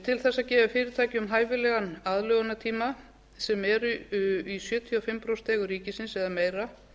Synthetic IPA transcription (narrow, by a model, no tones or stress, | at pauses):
t̪ʰɪlθɛsːacɛːvafɪːɾɪɾt̪ʰaːjcɪʏmɦaːjvɪlɛɣanaðlœːɣanat̪ʰiːma | sɛmɛɾʏisjœːt̪ʰiafɪmpɾowst̪ɛːɣʏɾiːcɪsɪnsɛðameːjɾa